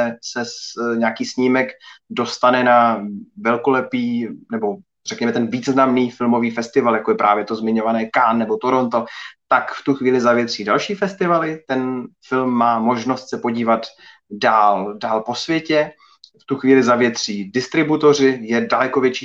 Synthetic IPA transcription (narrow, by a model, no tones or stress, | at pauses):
ɛsɛsɲaːkiːsɲiːmɛkdo̞st̪anɛnavɛlko̞lɛpiːnɛbo̞ | r̥ɛkɲɛmɛt̪ɛnviːznamniːfɪlmo̞viːfɛst̪ɪvaljakojɛpɾaːvjɛt̪o̞zmɪɲo̞vanɛːkaːnːɛbo̞t̪oɾont̪ot̪akft̪uxviːlɪzavjɛt̪r̝̥iːdalʃiːfɛst̪ɪvalɪt̪ɛnfɪlmːaːmo̞ʒno̞st̪sɛpo̞ɟiːvat̪ | daːldaːlpo̞svjɛcɛ | ft̪uxviːlɪzavjɛt̪r̝̥iːdɪst̪ɾɪbut̪o̞r̝ɪjɛdalɛko̞vjɛt͡ʃiː